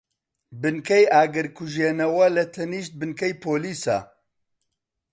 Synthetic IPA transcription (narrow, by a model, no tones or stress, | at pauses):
bɨnkʰɐjaːɡɨɾkʰuʒjeːnɐwɐlɐt̪ʰɐniːʃt̪̚bɨnkʰɐjpʰoːliːsa̰ː